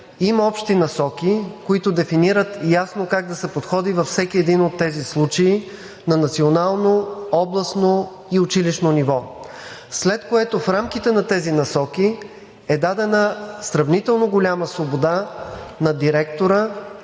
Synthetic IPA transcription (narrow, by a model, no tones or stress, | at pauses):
imɐɔpʃt̪inɐsɔkʲikoit̪od̪ɛfiniɾət̪jasnokaɡ̚d̪ɐsɛpot̪xɔd̪ivɐfsɛkiɛd̪inot̪ːɛzislˠut͡ʃɐi | nɐnɐt̪sionalˠnoɔblˠəsno | iʊt͡ʃiliʃnonivɔ | slɛt̪koɛt̪ofɾamkit̪ɛnɐt̪ɛzinɐsɔki | ɛd̪ad̪ɛnəsɾɐvnit̪ɛlˠnoɡolʲaməsvobod̪anɐd̪iɾɛkt̪oɾə